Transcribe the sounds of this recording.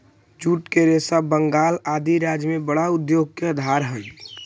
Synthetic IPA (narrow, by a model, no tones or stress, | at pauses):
d͡ʒuːʈkeɾeːsabəŋɡaːlaːd̪iɾaːd͡ʒjmẽbəɽaʊd̪joːɡ̚keəd̪ʱaːɾɦəi